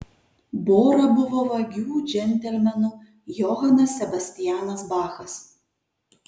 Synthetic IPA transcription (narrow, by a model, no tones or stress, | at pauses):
boːɾɐbʊʋoːʋɐɡʲuːd͡ʒʲɛnʲt̪ʲɛlʲmʲɛnu | jɔɦɐnɐsːʲɛbɐsʲt̪ʲɪjæːnɐsbɑːxɐs